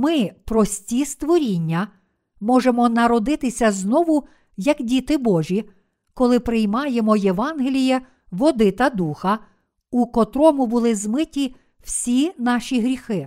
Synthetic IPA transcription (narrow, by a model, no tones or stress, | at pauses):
mɪpɾɔsʲtʲist̪ʋɔɾʲinʲːɐ | mɔʒemɔnɐɾɔd̪ɪt̪ɪsʲɐznɔʋʊ | jɐkdʲit̪ɪbɔʒʲi | kɔlˠɪpɾɪjmɑjemɔjeʋɑnɦelʲijɛ | ʋɔd̪ɪt̪ɐd̪uxɐ | ukɔt̪ɾɔmʊbʊlˠɪzmɪtʲi | w̥sʲinɑʃʲiɦɾʲixɪ